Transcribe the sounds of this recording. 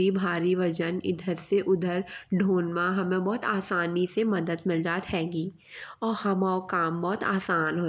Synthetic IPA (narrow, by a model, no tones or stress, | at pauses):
ibʱaːɾiʋɐd͡ʒənɪ̰d̪ʱəɾseʔʊd̪ʱəɾɖʱoːnmãɦɐmẽbɔːt̪aːsaːnisemɐd̪əd̪mɪld͡ʒaːt̪ɦɛ̃ːɡiː | ɔːɾhɐmaokaːmbɔːt̪a̰ːsaːnɦo